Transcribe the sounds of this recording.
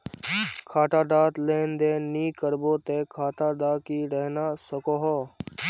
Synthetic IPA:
kʰaːʈaːɖ̪aːt̪leːnd̪eːniːkəɾboːt̪eːkʰaːʈ̪aːɖ̪aːkiːɾɛːnaːsəkoːɦoː

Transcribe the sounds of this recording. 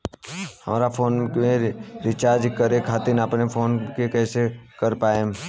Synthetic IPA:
həmɾapʰoːnkẽɾɪt͡ʃaːɾd͡ʒkəɾekʰaːt̪ɪnapnepʰoːnkekɛːsekəɾpaːem

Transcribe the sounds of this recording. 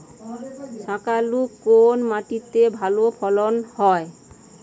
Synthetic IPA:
sãkalukːonmaʈit̪ebʱalopʰɔlonhɔe

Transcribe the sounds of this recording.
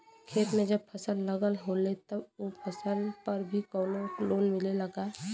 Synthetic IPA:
kʰeːt̪mẽd͡ʒəb̚pʰəsəlːəɡəlɦolet̪əboːpʰəsəlpəɾbʱikɔːloloːnmɪleləɡaː

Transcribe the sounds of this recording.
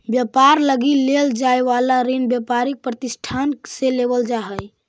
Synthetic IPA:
bjəpaɾləɡileld͡ʒaeʋalaɾinbjəpaɾik̚pɾət̪isʈʰanseleβəld͡ʒaɦəj

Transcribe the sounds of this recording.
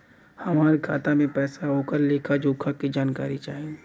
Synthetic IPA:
hɐmaːɾekʰaːt̪amẽpɛːsaoːkəlːeːkʰad͡ʒoːkʰakid͡ʒaːnkaːɾit͡ʃaːɦĩ

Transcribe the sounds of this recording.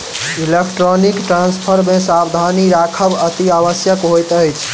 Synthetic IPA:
ilekʈɾonikʈɾanspʰəɾmesabd̪ʱaniɾakʰəbət̪iaʋəsjəkɦojt̪əjt͡ʃʰ

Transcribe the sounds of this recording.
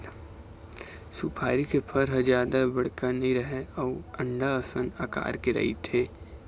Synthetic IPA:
suːpʰaːɾikepʰɐɾɦəd͡ʒjaːd̪abɐɽ̤kanɐɦĩɾɐɦeɔːə̃ɳɖaəsə̃naka̰ːɾkeɾɐ̰ɦḭt̪ʰeː

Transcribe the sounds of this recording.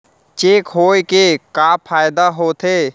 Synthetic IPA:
t͡ʃeːkɦoːjkekaːpʰaːɪd̪aɦoːt̪ʰeː

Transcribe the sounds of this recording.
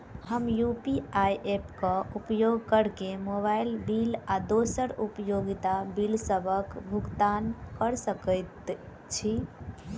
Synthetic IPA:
həmjupiajʔepkə̃upjoɡkəɾkemoβajilbilad̪osəɾupjoɡit̪abilsəbʱəkbʱuɡt̪ankəɾsəkəjt̪ | t͡ʃʰi

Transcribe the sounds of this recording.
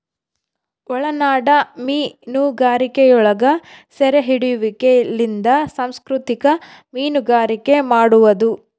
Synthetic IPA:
ɔɭɐnaːɽɐmiːnuɡaːɾikejɔɭɐɡɐsɛɾeɦiɽijuʋikelind̪ɐsaːmskɾut̪ikɐ | miːnuɡaːɾike̞maːɽuʋɐd̪u

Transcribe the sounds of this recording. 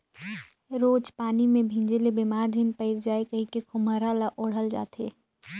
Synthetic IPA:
ɾoːd͡ʒpaːnimẽbʱĩːɲd͡ʒelebimaːɾd̪ʱɪnpəɪɾd͡ʒaːekɐɦĩkekʊməɾalaʔoɽ̤əld͡ʒa̰ːt̪ʰḛː

